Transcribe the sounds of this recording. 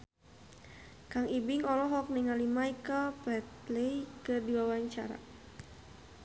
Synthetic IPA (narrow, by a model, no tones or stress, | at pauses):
kaŋibiŋɔlɔɦɔk̚niŋalimajkəlpɛt̪̚lejkɨrdiwawaɲt͡ʃa̰ɾa̰